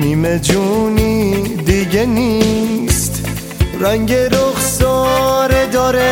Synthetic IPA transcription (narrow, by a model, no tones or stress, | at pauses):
niːmed͡ʒunid̪iɟenist̪ | ɾæŋɟeɾoχsɔɾed̪ɔːɾe